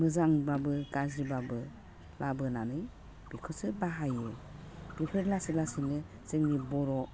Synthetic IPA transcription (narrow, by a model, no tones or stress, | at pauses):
mɯzaŋbabɯɡazɾibabɯ | labɯnanɯj | b̥ikʰɯsɯbaɦajɯ | b̥ipʰɯɾlasilasinɯ | z̥ɯŋɾibɔɾɔ